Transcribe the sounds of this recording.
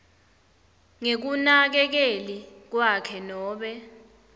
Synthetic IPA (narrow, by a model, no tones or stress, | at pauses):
ŋek̬unak̬ɛk̬elik̬wakʰɛnɔːɓɛ